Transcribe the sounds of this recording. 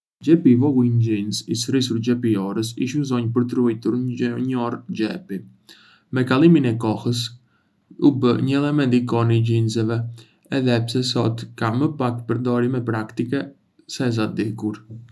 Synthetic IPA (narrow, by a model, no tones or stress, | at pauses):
d͡ʒɛpivɔɡuind͡ʒinsisɾis̬uɾd͡ʒɛpiɔɾəs̬ḭʃməzɔɲpəɾt̪ɾujt̪uɾɲɔɾd͡ʒɛpi | mɛkalˠiminɛkɔhəs̬ | ubəɲəɛlˠɛmɛnd̪ikɔniɟinzɛvɛ | ɛðɛpsɛsɔt̪kaməpakpəɾd̪ɔɾimɛpɾakt̪ikɛ | sɛz̬ad̪ikuɾ